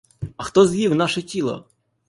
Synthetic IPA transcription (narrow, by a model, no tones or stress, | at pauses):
ɐxt̪ɔzjiwnaʃɛtʲilˠɔ̰